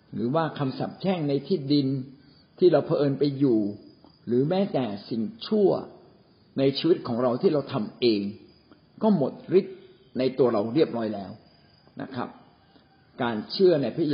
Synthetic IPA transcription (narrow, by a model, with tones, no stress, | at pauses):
ɾɯː˩˦waː˥˩kʰa˧msa̰˨˩p̚t͡ɕʰɛː˥˩ŋna˧jt̪ʰiː˥˩di˧n | t̪ʰiː˥˩ɾa˧wpʰa˧ʔɤː˧npa˧jːuː˨˩ | ɾɯː˩˦mɛː˦˥t̪ɛː˨˩si˨˩ŋt͡ɕʰu˥˩ɐ | na˧jt͡ɕʰiː˧wi˦˥t̪̚kʰɔː˩˦ŋɾa˧wt̪ʰiː˥˩ɾa˧wt̪ʰa˧mʔeː˧ŋ | kɔː˥˩mo˨˩t̪̚ɾi˦˥t̪̚ | na˧jt̪u˧ɐɾa˧wɾi˥˩əp̚ɾɔː˦˥jlɛː˦˥w | na̰˦˥kʰɾa̰˦˥p̚ | kaː˧nt͡ɕʰɯ˥˩ɐna˧jpʰi˥